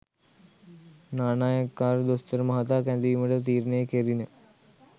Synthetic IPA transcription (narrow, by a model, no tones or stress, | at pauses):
naːnaːjɐkːaːɾd̪ost̪əɾmɐɦat̪̬aːkænd̪iːuməʈət̪̬iːɾnejəkeɾinə